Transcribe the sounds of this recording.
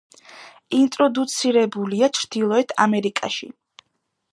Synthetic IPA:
int̪ʼɾɔd̪ut̪sʰiɾɛbuliat͡ʃʰɾd̪̥ilˠɔɛt̪ʰa̰mɛɾikʼa̰ʃḭ

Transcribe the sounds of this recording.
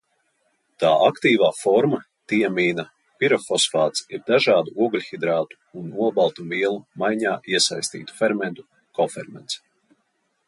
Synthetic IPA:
t̪aːʔakt̪iːvaːfɔɾma | t̪iɛmiːna | piɾɔfɔsfaːt̪siɾd̪aʒaːd̪uʔuɔɡlʲxid̪ɾaːt̪u̥ːnuɔbalˠt̪umviɛlˠumajɲaːʔiɛsajsʲt̪ḭːt̪u̥fɛɾmɛnt̪u | kɔfɛɾmɛnt̪s

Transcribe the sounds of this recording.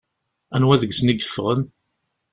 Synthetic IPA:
ænwæðəɡsniɡə̥fʁən

